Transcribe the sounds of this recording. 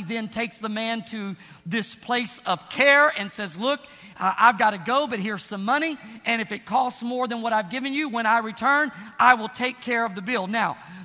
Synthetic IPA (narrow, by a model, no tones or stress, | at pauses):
ðɨ̃ntʰeɪksðəmæ̃ntʰɨ | ðɪspʰl̥eɪsʌv̥kʰɛɹɨ̃nsɛzlʊk | ʔa̰ɪvɡɑɾɨɡoʊbʌt̚hiɹz̥sʌ̃mʌñiʔɨ̃ñɨfɨt̚kʰɔstsmɔɹðɨ̃nwʌɾaɪvɡɪvɨ̃njɨwə̃ñaɪɹitʰɜ̃˞nʔaɪwɪlˠtʰeɪkʰːɛɹʌvðɨbɪlˠnaʊ